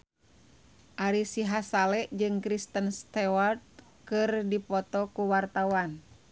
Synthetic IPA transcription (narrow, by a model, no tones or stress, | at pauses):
ʔaɾisiɦasalɛʔd͡ʒɨŋkɾist̪ənst̪ɛwart̪̚ | kɨrdipɔt̪ɔkuwart̪awan